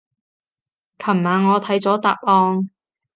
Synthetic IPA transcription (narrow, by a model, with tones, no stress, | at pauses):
kʰɐ˨˩maː˨ŋɔː˨˧t̪ʰɐ˨˥jt͡sɔː˨˥t̪a̰ː˨p̚ʔɔː˧ŋ